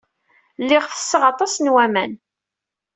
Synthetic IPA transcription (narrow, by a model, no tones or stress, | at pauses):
lːɪʁfə̥sːəʁɑt̪ˤɑsnwæmæn